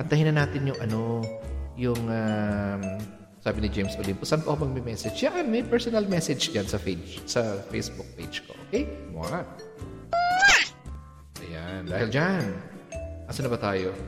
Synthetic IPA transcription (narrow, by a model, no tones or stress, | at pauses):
pɐnt̪ɐhɪnɐnaːt̪ɪnjʊŋʔɐno̞jʊŋam | saːbɪnɪd͡ʒejmsʔolimpʊsʔɐnpʊkɐmɐɡ̚mɛmɛsɛd͡ʒjanmɐjpɛɹsonɐlmɛsɛd͡ʒd͡ʒansɐped͡ʒsɐfejsbʊk̚pḛjd͡ʒko̞ʔoːkɛjma | ʔɐjand̪aːhɪld͡ʒan | ʔɐsɐnɐbɐt̪aːjo